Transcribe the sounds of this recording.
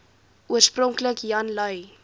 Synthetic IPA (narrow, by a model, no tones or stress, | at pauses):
ʔuərsprɔŋkləkjɐnlœɥ